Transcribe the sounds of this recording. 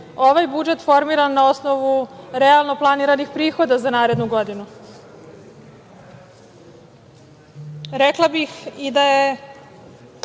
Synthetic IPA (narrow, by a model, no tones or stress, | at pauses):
o̞ʋajbud͡ʒe̞t̪fo̞ɾmiɾanːao̞sno̞ʋuɾealˠno̞plˠaniɾanixpɾiːxo̞d̪azanaːɾe̞d̪nuɡo̞d̪inu | ɾeklˠabixid̪aje